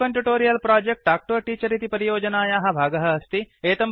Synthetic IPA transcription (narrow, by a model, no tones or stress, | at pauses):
ɐɳʈjuʈoːɾijɐlpɾaːd͡ʒek̚ʈaːk̚ʈoɐʈiːt͡ʃɐɾit̪ipɐɾijoːd͡ʒɐnaːjaːɦɐ̆bʱaːɡɐɦɐːst̪ieːt̪ɐm